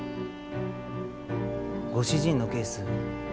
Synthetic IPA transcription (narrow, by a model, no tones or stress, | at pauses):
ɡo̞ɕiʑĩnːo̞ke̞ːsɨ